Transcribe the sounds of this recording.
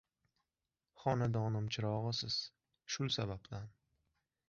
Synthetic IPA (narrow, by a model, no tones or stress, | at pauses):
χɒnad̪ɒnɪmt͡ʃʰɪɾɒʁɨsɪz̥ | ʃʊlˠsabab̚t̪an